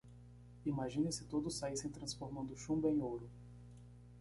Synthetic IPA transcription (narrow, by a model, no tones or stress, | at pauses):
imaʒĩnẽsɪt̪od̪ʊsːaisẽj̃t̪ɾɐ̃sfoɾmɐ̃nd̪ʊʃũmbẽj̃owɾʊ